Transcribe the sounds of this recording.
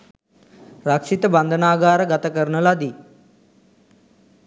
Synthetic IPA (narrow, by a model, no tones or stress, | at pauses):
ɾakʂit̪əband̪ʱənaːɡaːɾəɡat̪əkəɾɳəlad̪i